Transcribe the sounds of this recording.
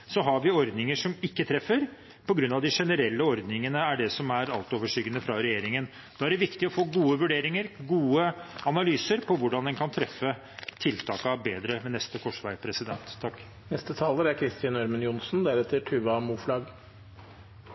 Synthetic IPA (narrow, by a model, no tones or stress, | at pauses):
sɔɦɑɾʋɪɔɾd̪nɪŋəʂɔmɪkːət̪ʰɾɛfːəɾ | pʰɔɡɾʉnːɑʋd̪ɪʂɛnəɾɛlːəɔɾd̪nɪŋənəæɖɛsɔmæɾɑlt̪oːʋəʂyːɡənəfɾɑɾɛjeːɾɪŋən | d̪̥ɑːæɖɛʋɪkt̪ɪɔfoːɡuːəʋʉɖeːɾɪŋəɾɡuːəɑnɑlyːsəɾpʰɔʋʊɖɑnd̪ɛnkʰɑnt̪ʰɾɛfːə | t̪ʰɪlt̪ʰɑːkəɑbeːd̪ɾəmɛnɛst̪əkʰɔʂʋæɪpʰɾɛsɪd̪ɛnt̪ʰːɑkː | nɛst̪ət̪ʰɑːləɾæɾkʰɾɪst̪ɑnœɾmənjʊnsn̩d̪æɾɛt̪ʰːɪlʈʰʉʋɑmuːflɑɡ